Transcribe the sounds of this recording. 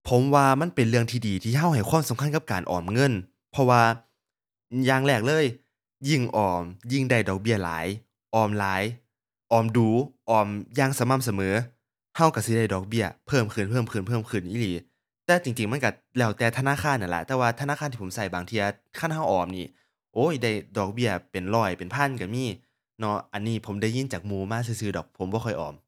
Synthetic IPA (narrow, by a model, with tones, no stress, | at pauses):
pʰo˨˦mwaː˧ma˧˥˨npe˨nlɯ˧əŋt̪ʰiː˧diː˨t̪ʰiː˧˩ɦa˧˩wha˨˩jkwaː˧˥˨msa˨˦mkʰa˧˥˨nka˧˥p̚kaː˨nʔɔ̰ː˨˩mŋɤ˧˥˨n | pʰɔ˧waː˧ | jaː˧ŋlɛː˧˩k̚lɤː˧˥˨j | ji˧˩ŋʔɔː˨˩mji˧˩ŋda˧˩jdɔː˨˩k̚bi˧˥˩ɐla̰ː˨˦j | ʔɔː˨˩mlaː˨˦j | ʔɔː˨˩mduː˨˩ʔɔː˨˩mjaː˧˩ŋsa˨˧˦ma˧˨msa˧mɤː˨˦ | ha˧˥˩wka˧˩si˧˦da˧˩jdɔː˨˩k̚bi˧˥˩ɐpʰɤː˧˩mkʰɯ˧˩npʰɤː˧˥˨mkʰɯː˧˩npʰɤː˧˩˨mkʰɯ˧˩nʔiː˧˨liː˨˦ | t̪ɛː˧t͡ɕi˨˩ŋt͡ɕi˨˩ŋma˧˥˨ka˧˩ | lɛː˧˩wt̪ɛː˧˩t̪ʰa˧naː˧˥˨kʰaː˧˥˨nʔa˧˩lɛ̰˧˥t̪ɛː˧waː˧t̪ʰnaː˧˥˨aː˧˥nʰiː˧˨o˨˦msa˧˩jbaː˨˩ŋt̪ʰi˧ɐ˧ | kʰa˧˥˨nha˧˥˩wʔɔː˨˩mniː˧˩ | ʔoː˧˥˨jda˧˩jdɔː˨˩k̚bi˧˩ɐpe˨nlɔː˧˩jpe˨npʰa˧˥˨nka˧˩miː˧˥˩ | nɔ˧˥ʔa˨nːiː˧˩pʰo˨˦mda˧˩jːi˧˩˨ŋt͡ɕaː˨˩k̚muː˧˦maː˧˥˨s̬ɯ˧˩sɯː˧˩dɔː˨˩k̚pʰo˨˦mbɔː˧kʰɔ˧˩jʔɔ̰ː˨˩m